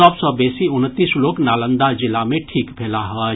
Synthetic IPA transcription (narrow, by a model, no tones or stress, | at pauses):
əbsɔbesiʊnt̪ːisloːknaːlə̃nd̪ad͡ʒɪlamẽʈʰiːkbʱeːlaɦə